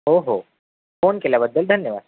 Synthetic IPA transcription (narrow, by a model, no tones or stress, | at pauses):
oːɦo̰ː | foːnkelabəd̪ːəld̪ʱɐnjəʋa̰ːd̪